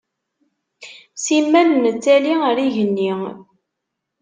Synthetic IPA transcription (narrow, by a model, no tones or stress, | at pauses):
simːænmət͡sːæliəɾiʝənːi